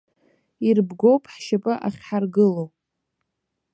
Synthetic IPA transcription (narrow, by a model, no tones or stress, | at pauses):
irbɡo̞wpʼħʃapʼɨʔa̰χʲħarɡɨlowʼ